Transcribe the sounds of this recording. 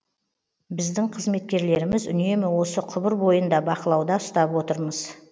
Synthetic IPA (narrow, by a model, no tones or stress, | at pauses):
bɪzd̪ɪɴqʰəzme̞t̪̚kʲe̞ɾle̞ɾɪmɪzʏ̰ne̞mɪwo̞səqʰʊbəɾbo̞jənd̪ɑbɑqəlˠɑwd̪ɑʊst̪ɑpwo̞t̪əɾməz̥